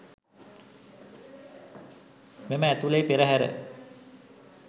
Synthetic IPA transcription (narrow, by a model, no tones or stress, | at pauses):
meməæt̪ulejpeɾəɦæɾə̰